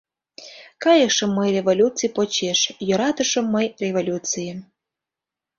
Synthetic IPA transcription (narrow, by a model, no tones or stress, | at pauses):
kɑjəʃə̆mːəjrʲevolʲut͡sɨjpot͡ɕeʃjoɾɑt̪ə̆ʃɤ̆mːəjrʲevolʲut͡sɨjə